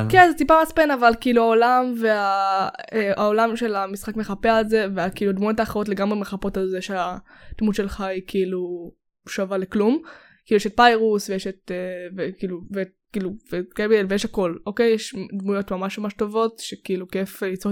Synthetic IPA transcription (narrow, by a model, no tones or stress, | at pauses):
kenzetipamat͡spenavalkiiluaolamvea | eʔao̞lamʃe̞lamisχakmeχapeaelze̞veakiiːluadmujo̞taːχeʁo̞t̬le̞ɡamʁemeχapo̞talzeʃead̥mudʃelχaikʰiilu | ʃavaleklum | kiːlueʃet̚pajʁusvejeʃet̪̚evekiːluve | kiːluvekebielvejɛʃako̞loke̞jeʃdmujo̞tmamaʃmamaʃto̞vo̞tʃekiiːlukefit͡so